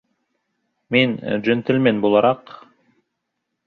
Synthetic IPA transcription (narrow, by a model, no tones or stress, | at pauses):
min̰d͡ʒønt̪elʲmenbolˠɑɾɑq